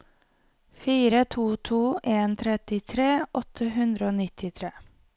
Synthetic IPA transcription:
fiːɾət̪ʰuːt̪ʰuːʔeːnt̪ʰɾɛt̪ɪt̪ʰɾeːʔɔt̪ʰəɦʉnd̪ɾəoːnɪt̪ʰɪt̪ʰɾeː

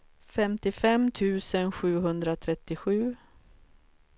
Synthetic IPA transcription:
fɛmt̪ɪfɛmt̪ʰʉ̟ːsənɧʉ̟ːɦɵnd̪ɾat̪ʰɾɛt̪ːɪɧʉ̟ː

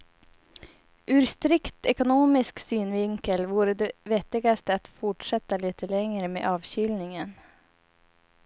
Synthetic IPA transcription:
ʔʉːɾst̪ɾɪkt̪ɛkʊnoːmɪsksyːnvɪŋkəlvuːɾəd̪ɛvɛt̪ːɪɡast̪əat̪fʊʈʂɛt̪ːaliːt̪ʰəlɛŋɾəmḛːʔɑːvɕʏlnɪŋən

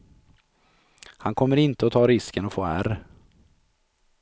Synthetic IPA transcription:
hankʰɔmːəɾɪnt̪əɔt̪ʰɑːɾɪskənɔfoːæ̰ɾ

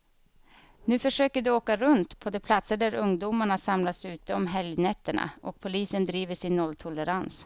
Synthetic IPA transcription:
nʉ̟ːfœʂøːkəɖɵoːkaɾɵnt̪pʰɔd̪ɛːpʰlat̪səɖæɾɵŋd̪uːmaɳasamlasʉ̟ːt̪əɔmɦɛljnɛt̪ːəɳa̰ʔɔk̚pʰʊliːsənd̪ɾiːvəʂɪnːɔlːt̪ʰʊləɾans

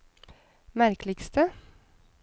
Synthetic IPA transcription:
mæɾkʰlɪkst̪ə

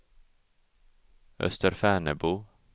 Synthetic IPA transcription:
ʔœ̰st̪əɾfæːɳəbuː

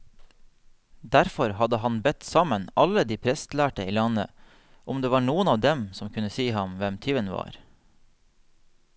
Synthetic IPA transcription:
d̪æɾfɔɾhɑd̪əhɑnbɛt̪sɑmənɑləd̪iːpʰɾɛst̪læːʈəiːlɑnə̰ | ʔʊmd̪eːʋɑːɳuːənɑːʋd̪ɛmsɔmkʰʉnəsiːhɑmʋɛmt̪ʰyʋənʋɑ̰ːɾ

